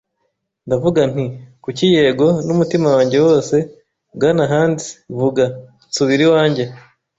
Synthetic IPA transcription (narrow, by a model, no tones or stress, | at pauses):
ndavuɡan̥ikucije̞ɡo̞numutimawaːɲɟe̞wo̞ːse̞ | ɡanaɦaːnzi̥vuɡa | t͡suβiɾiwaːɲɟe̞